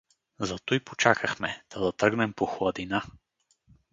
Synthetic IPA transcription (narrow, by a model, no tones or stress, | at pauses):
zɐt̪ojpot͡ʃakʰəxmɛd̪̥ʰad̪ɐt̪ɾɤɡnɛmpoxlˠɐd̪ina